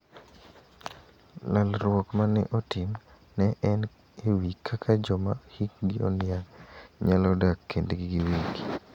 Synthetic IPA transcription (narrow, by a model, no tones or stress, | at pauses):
lalɾwɔkmanɛ̰ʔɔtim | nɛʔɛn | ewikʰːakʰad͡ʒɔma̰hik̚ɡiɔ̰njaɲalɔdakːendeɡɡiwik